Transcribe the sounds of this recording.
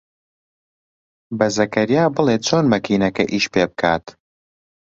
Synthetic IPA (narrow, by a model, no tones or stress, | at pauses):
bɐzɐkɐɾijaːbɨleːt͡ʃʰoːnmɐkʰiːnɐkɐʔiːʃpeːbɨkʰaːt̪